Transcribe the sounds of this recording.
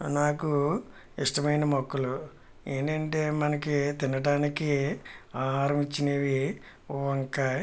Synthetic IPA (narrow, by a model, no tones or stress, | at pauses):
naːku | iʂʈɐmɐjnɐmɔkːɐlu | eːnd̪ɐɳʈeːmɐnɐkit̪inɐɖaːnikiaːɾɐmit͡ʃːineːʋi | ʋɐŋka